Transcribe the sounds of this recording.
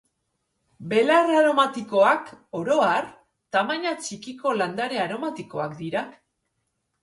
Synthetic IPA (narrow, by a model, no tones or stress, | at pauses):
be̞laraɾo̞mat̪iko̞ako̞ɾo̞aɾ | t̪amaɲat͡ʃikiko̞land̪aɾe̞aɾo̞mat̪iko̞akd̪iɾa